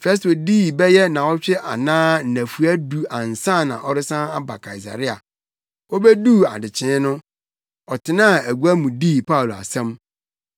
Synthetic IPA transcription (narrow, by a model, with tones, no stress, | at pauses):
fɛ˦s̬to˨di˦˨bɛ˦jɛ˦nã˨ɔ˦ɕᶣɪ˦ʔa˨nãː˦n̩˨næ̃˨fu˨æ˦du˨ã˨n˨sã˦˨nã̰˨ʔɔ˦ɾɪ˦sã˦a˦ba˨kʰa˨i˨s̬a̰˨ɾɪ˦a̰˨ | ɔ˦bɛ˦duː˦˨a̰˨dɪ˨t͡ɕʰɪ̃˦nʊ̃˦ | ɔ˨tʰɪ˨nã˦˨æ˨ɡu˦æ˦mũ˨diː˦˨pʰa˦u˨lo˨a̰˨sɛ̃˦m